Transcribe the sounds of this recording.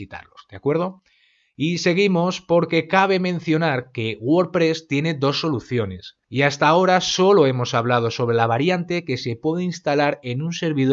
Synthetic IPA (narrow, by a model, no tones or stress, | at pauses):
it̪a̰ɾlozd̪̥eakwe̞ɾð̞o̞ | ise̞ɣ̞imo̞spo̞ɾke̞kaβe̞mẽ̞n̟θjo̞naɾke̞ɣwoɾpɾe̞st̪je̞ne̞d̪o̞sːo̞luθjo̞ne̞s | iast̪ao̞ɾaso̞lo̞e̞mo̞saβ̞lað̞o̞so̞β̞ɾe̞laβ̞aɾjant̪e̞ke̞se̞pwe̞ðeinst̪alaɾe̞nunse̞ɾβið